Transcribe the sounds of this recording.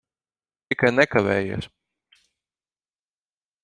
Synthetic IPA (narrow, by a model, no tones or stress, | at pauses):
ikajnɛkaʋɛ̰ːjṵːs